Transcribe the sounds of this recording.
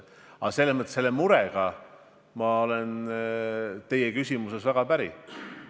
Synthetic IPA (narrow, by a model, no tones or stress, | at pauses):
ɑse̞lːesmɤət̪ːˑe̥selːemuɾeɡ̥ɑ | mɑo̞len | t̪e̞jekysʲimuse̞svæɡ̥ɑpæɾḭ